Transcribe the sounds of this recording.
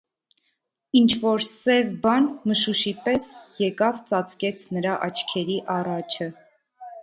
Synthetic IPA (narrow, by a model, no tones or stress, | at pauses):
int͡ʃʰvɔɾsɛvbɑnməʃuʃipɛsjɛkɑvt͡sɑt͡skɛt͡sʰnəɾɑʔɑt͡ʃʰkʰɛɾiʔɑrɑt͡ʃʰə